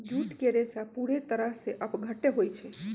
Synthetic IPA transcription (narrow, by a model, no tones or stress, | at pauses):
ɡjuʈkeɾesapuɽet̪əɾaseʔəpɡʱəʈeɦojt͡ʃʰe